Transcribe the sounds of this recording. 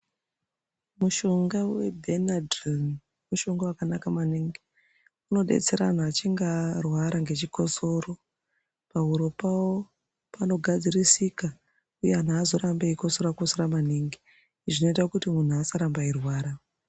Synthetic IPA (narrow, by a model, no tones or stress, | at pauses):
muʃo̞ŋɡawebʱenadron | muʃo̞ŋɡawakanakamaniŋɡi | uno̞ɗe̞̰t͡se̞ɾan̤aːt͡ʃiŋɡarwaɾaŋɡe̞t͡ʃiko̞so̞ro̞ | paɦuɾo̞pawo | pano̞ɡʱad͡zirisika | ujean̤aːzo̞ɾambeiko̞soɾakosoɾamaniŋɡi | ʐino̞itakutimun̤uasaɾambairwaːɾa